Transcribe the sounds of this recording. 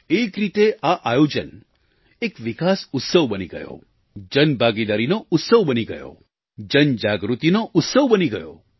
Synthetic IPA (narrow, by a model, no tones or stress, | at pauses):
ekɾit̪eʔaʔajod͡ʒən | ekʋikasʊt̪səʋbəniɡə̰jo̰ | d͡ʒənbʱaɡid̪aɾinoʔʊt̪səʋbəniɡə̰jo̰ | d͡ʒənd͡ʒaɡɾut̪inoʔʊt̪səʋbəniɡəjo̰